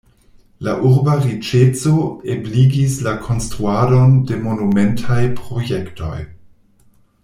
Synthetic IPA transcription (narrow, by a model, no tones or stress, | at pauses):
laʔuɾbaʁit͡ʃet͡soebliɡislakʰo̞nstɾuado̞nde̞mo̞numentʰajpɾo̞jekto̞̰j